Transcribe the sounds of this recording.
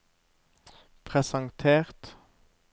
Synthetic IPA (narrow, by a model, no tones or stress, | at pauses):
pʰʁɛsɑŋt̪ʰeːʁt̪